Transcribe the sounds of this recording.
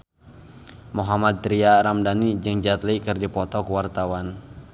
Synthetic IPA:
moɦamad̪̚t̪ɾiaɾamdanid͡ʒɨŋd͡ʒat̪likɨrdipɔt̪ɔkuwart̪awan

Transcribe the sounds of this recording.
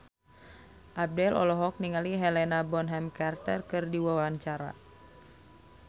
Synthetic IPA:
ʔab̚dɛlʔɔ̰lɔɦɔk̚niŋaliɦɛlɛnabɔnɦɛmkart̪ərkɨrdiwawaɲt͡ʃaɾa̰

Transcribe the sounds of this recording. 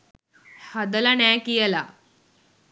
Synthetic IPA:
had̪əlanakijəla̰

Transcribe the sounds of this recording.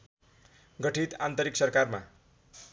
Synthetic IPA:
ɡʌʈʰit̪ant̪ʌɾiksʌrkarma̰

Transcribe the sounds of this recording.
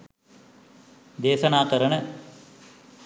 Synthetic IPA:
d̪eːsɐnaːkɐɾɐɳə

